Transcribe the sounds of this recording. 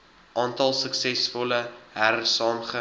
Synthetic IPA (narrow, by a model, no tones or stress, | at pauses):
ʔɑːntɐlˠsəksɛsfɔləɦæɾərsɑːmχə